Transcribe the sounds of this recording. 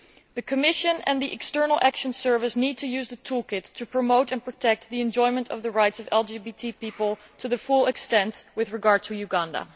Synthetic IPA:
ðɨkʰɨmɪʃə̃nɨ̰̃nðiʔɨkstɜ˞nl̩ˠʔækʃə̃nsɜ˞vɨsnid̚tʰɨjʉzðɨtʰukɪtʰːɨpʰɹ̥əmoʊɾɨ̃npɹ̥ətʰɛk̚t̪̚ðiɨ̃nd͡ʒɔ̃ɪ̃mə̃ntʰʌ̰vðəɹaɪtsʌvɛ̰lˠd͡ʒibitʰipipəl̩ˠ | tʰɨðɨfʊlˠɨkstɛ̃ntwɨðɹɨɡɑɹd̚tʰɨjuɡɑ̃ndə̰

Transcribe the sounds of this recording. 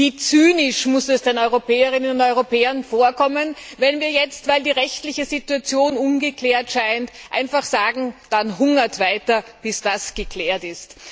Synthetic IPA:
viːt͡syːnɪʃmʊsɛsd̥eːnɔʏʁopɛːəʁɪnənʊntɔʏʁopɛːɐnfoːɐkʰɔmənvɛnviːɐjɛt͡stvaɪldiːʁɛçtlɪçəzituat͡sjoːnʊnɡəklɛːɐtʃaɪntʔa̰ɪnfaχsaːɡŋ̩d̥anhʊŋɐtv̥aɪtɐb̥ɪsd̥asɡ̥əkl̥ɛːɐtɪst

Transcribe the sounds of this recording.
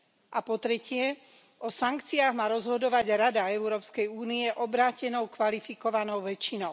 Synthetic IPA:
ʔapɔt̪ɾɛcɪɛ | ʔɔsaŋkt͡siaːɣmaːɾɔzɦɔd̪ɔʋaɟɾad̪aɛʊɾɔːpskɛjuːniɛʔɔbɾaːcɛnɔʊkʋalifikɔʋanɔʊʋɛt͡ʃinɔʊ

